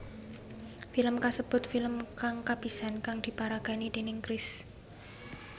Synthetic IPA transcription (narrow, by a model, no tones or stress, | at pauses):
filəmkasəb̥ʊ̤t̪filəmkaŋkab̥isankaŋd̪̥i̤paɾaɡ̥a̤nid̪̥e̤nɪŋkɾɪs